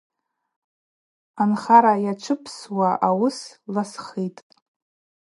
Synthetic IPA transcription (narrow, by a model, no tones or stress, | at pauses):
anχaɾajaʈ͡ʂʷʰɨpʰswaʔawʊslasχitʼ